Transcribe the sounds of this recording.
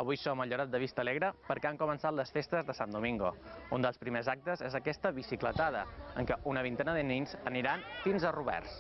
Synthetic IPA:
əβ̞ujsoməʎuɾat̪̚d̪əβist̪əːleɣɾəpəɾkɛaŋkumənsat̪ləsfest̪əzðəsand̪umiŋɡṵund̪əlˠspɾimezak̚t̪əzezəkɛst̪əβisiklət̪að̞ə̰əŋkɛʔunəβ̞int̪ɛnəðəniɲzəniɾanfinzəruβɛ̰rs

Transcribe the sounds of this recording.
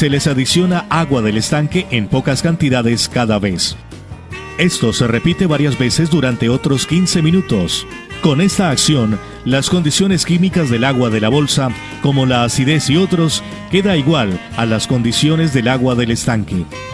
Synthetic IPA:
se̞le̞saðisjo̞naʔaɣwaðe̞le̞st̪aŋke̞ʔempo̞kaskant̪iðaðe̞skaðaβe̞s | e̞st̪o̞se̞re̞pit̪e̞βaɾjazβe̞se̞zd̪uɾant̪e̞o̞t̪ɾo̞skinse̞mĩnut̪o̞s | ko̞ne̞st̪aːksjo̞n | lasko̞nd̪isjo̞ne̞skimikazðe̞laɣwaðe̞laβo̞lsa | ko̞mo̞laːsiðe̞sio̞t̪ɾo̞s | ke̞ðaiɣwal | alasko̞nd̪isjo̞ne̞zðe̞laɣwaðe̞le̞st̪aŋke̞

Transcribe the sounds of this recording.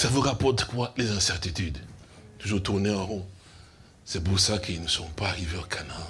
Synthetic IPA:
savuʁapɔʁt̪kwalezɛ̃sɛʁt̪it̪yd̪t̪uʒuʁt̪uʁneãʁɔ̃ | sɛbusakʰəilnəsɔ̃paːʁiveokʰana

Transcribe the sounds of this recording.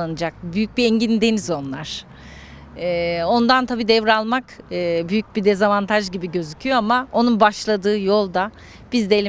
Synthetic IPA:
anɯd͡ʒak̚byjyc̚biɛɲɟind̪e̞nizo̞nlˠaɾ̥ | ɛːo̞nd̪ant̪ʰabiːd̪ɛvɾalˠmakɯːbyjyc̚bid̪ezavant̪ʰaʒɟibiɟø̞zycʰyjo̞amao̞nunbaʃlˠad̪ɯːjo̞lˠd̪a | b̥izd̪elʲi

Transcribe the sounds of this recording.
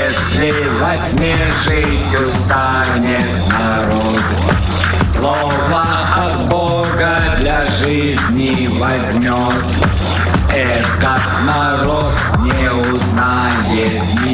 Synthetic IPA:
ɛslʲɪ | vɐzʲmʲe | ʐɨ | tʲʊst̪a | nʲɪt̪nɐ | ɾot̪ | slˠo | və | ɐd̪bo | ɡə | d̪lʲa | ʐɨ | zʲnʲɪ | vɐzʲmʲot̪ | ɛ | t̪ət̪nɐ | ɾot̪̚ | nʲɪ | ʊzna | jet̪nʲ

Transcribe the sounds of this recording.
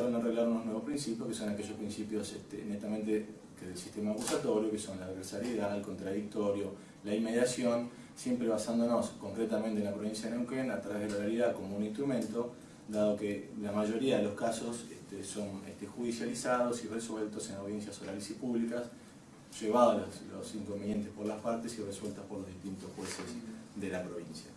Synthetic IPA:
aɾonoreɣlaɾunoznwe̞βopɾinsipjoskeso̞nake̞ʒo̞hpɾinsipjo̞sḛht̪ḛnet̪ament̪e | k̪eðelsiht̪e̞maːkusat̪o̞ɾjokeso̞nlaepɾesaɾjeðaelko̞nt̪ɾaðik̚t̪o̞ɾjo̞ | laimːe̞ðjasjo̞n | sje̞mpɾeβasand̪onoskoŋkɾet̪amẽnt̪enlapɾo̞βinsjaðenewkenat̪ɾaβe̞ɦðelarealiðaðko̞mounĩnst̪ɾumẽ̞nt̪o̞ | d̪aðo̞kelamaʒo̞ɾiaðeloskasosḛht̪eso̞neht̪exuðisjalisað̞osireswelt̪osenawðje̞nsjasoɾalesipuβlikas | ʒ̥eβaðolaslosiŋkombenje̞nt̪ehpo̞ɾlaspaɾt̪e̞sireswe̞lt̪ohpoɾlo̞ɦðiht̪int̪ohpwesesðe̞lapɾo̞β̞insja̰

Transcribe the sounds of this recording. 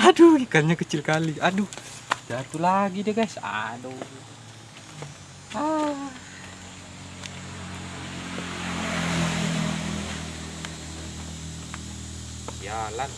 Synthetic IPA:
aduɡikanɲakət͡ʃɪlkaliadu | d͡ʒat̪ulaɡideɡajsa̰du | a | a | jala

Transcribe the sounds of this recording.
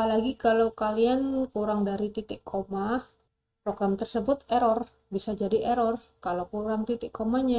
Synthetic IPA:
alaɡikalawkaliankuɾaŋdaɾit̪it̪ɪʔkʰomah | pɾoɡɾamt̪ərsəbʊt̪ɛɾɔr | bisad͡ʒadiʔeɾɔr | kalowkuɾaŋt̪it̪ɪʔkːomahɲa

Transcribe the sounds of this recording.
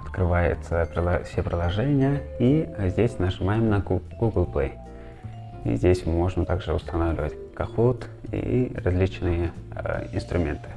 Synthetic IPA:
ɐ̥t̪kɾɨvajʊ̰t̪səpɾʲɪlˠɐfsʲepɾʲɪlˠɐʐɛnʲɪjəizʲdʲesʲnəʐɨmajɪmnɐɡuɡəlˠplˠej | ḭzʲdʲesʲmo̞ʐnət̪aɡʐɨʊ̰st̪ɐnavlʲɪvətʲ | kɐxot̪ | ḭrɐzʲlʲit͡ɕnɨjəɪ̰nst̪ɾʊmʲe̞̰nt̪ɨ̥

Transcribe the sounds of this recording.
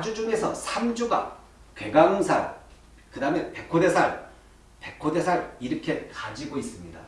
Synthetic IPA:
ad͡ʑud͡ʑuŋe̞sʰʌ̰sʰamd͡ʑuɡa̰ | kwe̞ɡaŋɯnsʰa̰ɾ | kɯdaɯmenpe̞kʰode̞sʰaɭ | pe̞kʰode̞sʰaɾiɾɯkʰe̞kad͡ʑiɡois͈ɯmɲida

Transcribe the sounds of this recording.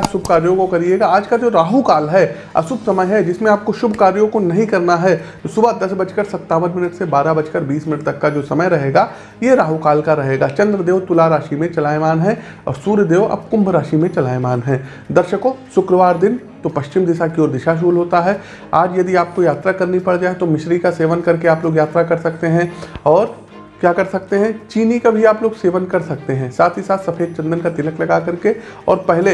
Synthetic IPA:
sʊbʱkaːɾjõkokɐɾieːɡaaːd͡ʒkad͡ʒoːɾaːɦukaːlɦɛː | ɐ̰sʊbsɐməjɦɛd͡ʒɪsmẽaːp̚koʃʊbʱkaːɾjõkonɐɦĩkɐɾnaɦɛt̪osʊbad̪ɐsbɐt͡ʃkəɾsɐt̪ːaːʋənmɪnəʈsebaːɾabɐt͡ʃkəɾbiːsmɪnəʈ̚t̪ɐkːad͡ʒoːsɐməjɾɐɦeːɡaː | jeɾaːɦukaːlkaɾɐɦeːɡaːt͡ʃɐ̃nd̪ɾəd̪eːʋt̪ʊlaɾaːʃimẽt͡ʃɐlaːjmaːnɦɛ | ɔ̰ːɾsuːɾjəd̪eːoʔɐ̰b̚kʊ̃mbʱɾaːʃimẽt͡ʃɐlaːjmaːnɦɛ̃ː | d̪ɐɾʃəkosʊkɾəʋaːɾd̪ɪn | t̪opɐʃt͡ʃɪmd̪ɪʃakiɔːɾd̪ɪʃaʃ̬uːlɦoːt̪aɦɛ | aːd͡ʒjɐd̪iaːp̚kojaːt̪ɾakɐɾnipɐɽd͡ʒaːet̪omɪʃɾikaseːʋənkɐɾkeaːploːɡjaːt̪ɾakɐɾsɐkt̪eɦɛ̃ɔːɾ | kjaːkɐɾsɐkt̪eɦɛ̃t͡ʃiːnikabʱiaːploːɡseːʋənkɐɾsɐk̚t̪eɦɛ̃ːsaːt̪ʰɦisaːt̪sɐfʰeːk̚t͡ʃɐ̃nd̪ənkat̪ɪləklɐɡakɐɾke | ɔ̰ːɾpɛɦle

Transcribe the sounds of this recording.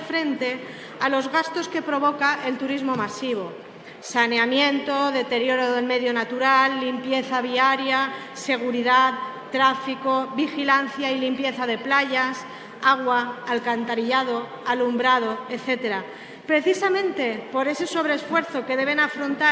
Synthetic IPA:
fɾe̞nt̪e̞ | alo̞zɣast̪o̞ske̞pɾo̞β̞o̞kaʔe̞lt̪uɾizmo̞masiβ̞o̞ | sane̞amjẽ̞nt̪o̞ðe̞t̪e̞ɾjo̞ɾoðe̞lme̞ðjo̞nat̪uɾalːimpje̞θaβ̞iaɾja | se̞ɣ̞uɾiðat | t̪ːɾafiko̞bixilan̟θjailimpje̞θað̞e̞plaʝas | aɣwaːlkant̪aɾiʎað̞o̞ | alumbɾað̞o̞e̞θe̞t̪e̞ɾa | pɾe̞θisamẽ̞nt̪e̞po̞ɾe̞se̞so̞β̞ɾe̞ːsfwe̞ɾθo̞ke̞ðe̞β̞e̞nafɾo̞nt̪a

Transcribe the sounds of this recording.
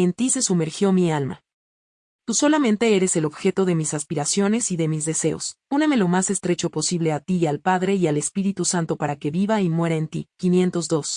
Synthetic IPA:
e̞nt̪ise̞sume̞ɾxjo̞mialma̰ | t̪uso̞lamẽnt̪e̞e̞ɾe̞se̞lo̞βxe̞t̪o̞ð̞e̞misaspiɾasjo̞ne̞siðemizðe̞se̞o̞̰suneme̞lo̞mase̞st̪ɾe̞t͡ʃo̞po̞siβ̞le̞at̪ialpaðɾe̞iale̞spiɾit̪usant̪o̞paɾake̞βiβaimwe̞ɾaent̪ḭkinje̞nt̪o̞zðo̞s

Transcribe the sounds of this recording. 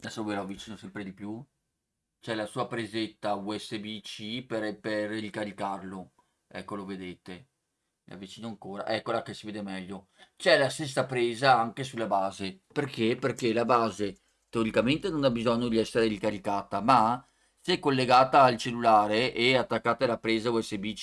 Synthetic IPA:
lasaelavit͡ʃiːnosɛmpɾed̪ipju | t͡ʃɛlasuːapɾezet̪ːauɛsːebit͡ʃiperperɾikaɾikarlo | ɛ̰kːoloved̪eːt̪e | la̰vːit͡ʃiːnoaŋkoːɾa̰ʔɛkːolakesiveːd̪emɛʎːo | t͡ʃɛlast̪es̬ːapɾeːzaaŋkesulːabaːzeperkeperkelabaːze | t̪eoɾikament̪enonabizɔɲːod̪iɛsːeɾelikalikaːt̪ama | sɛkːolːeɡaːt̪aːlt͡ʃelːulaːɾeʔɛat̪ːakːaːt̪aalapɾeːzauɛsːebit͡ʃ

